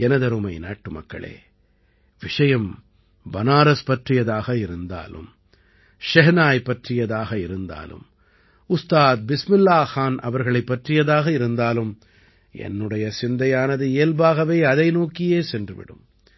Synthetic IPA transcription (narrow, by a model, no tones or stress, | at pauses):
ɛnɐðɐɾɯmɐɪna̰ːʈːɯmɐ̰kːɐ̰ɭḛː | ʋɪʂɐjɐm | bɐnaːɾɐspɐʈrɪjɐðaːɣɐɪɾɯnd̪a̰ːlɯ̰m | ʃɛɦnaːjpːɐʈrɪjɐðaːɣɐɪɾɯnd̪a̰ːlɯ̰m | ʊst̪aːt̪̚bɪsmɪlːaːxaːnɐ̰ʋɐɾɣɐɭɐɪpːɐʈrɪjɐðaːɣɐɪɾɯnd̪aːlɯm | ɛ̰nːɯɽɐjɐsɪnd̪ɐjaːnɐðɯeːlbaːɣɐʋeːɐðɐɪnoːkːɪjeːsɛndrɯʋɪ̰ɽɯm